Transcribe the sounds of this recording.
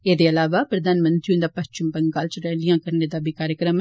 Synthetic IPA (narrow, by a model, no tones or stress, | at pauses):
eːd̪eɐlaːʋapɾɐd̪aːnmə̃nt̪ɾiũnd̪apɐʃt͡ʃɪmbɐŋɡaːlt͡ʃɾɛɦlijãkɐɾned̪abʱikaːɾjəkɾəm